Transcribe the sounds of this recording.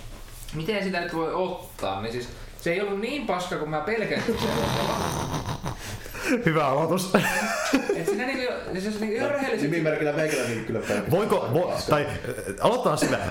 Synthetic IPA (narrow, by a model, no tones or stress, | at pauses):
mit̪ensit̪ænyt̪ʋoiot̪ːɑ̰ːnnisiːs | seeˑiolːunniːmpɑskɑkummæpelkæsisæo̰eɑ̰ | hyʋæɑlot̪us | et̪sinæniːŋkojojseniːŋkojorehelːisimimerkilːˑæmeikælːæniːkylːæpæʋoikoʋot̪ɑi | ɑlot̪ːɑːnsilːæ̰